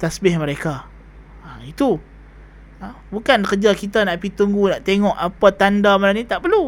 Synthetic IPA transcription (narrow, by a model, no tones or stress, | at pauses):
t̪asbɪhməɾeka | ait̪u | bukankəd͡ʒakit̪anaʔpit̪uŋɡunaʔt̪eŋɔʔapat̪andamalanit̪aʔpəlu